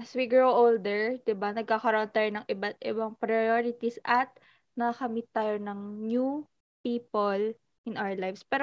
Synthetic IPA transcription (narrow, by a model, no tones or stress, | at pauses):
ɐswiɡɹoʔold̪ɛɹd̪ɪbanɐɡ̚kakɐɾoʔont̪aːjonɐŋʔɪbɐt̪̚ɪbɐŋpɾɐjoɾɪt̪isʔɐt̪̚ | nɐakɐmɪt̪ːaːjonɐŋnju | piːpol | ʔɪ̃nʔawɐɹlajvspɛːɾo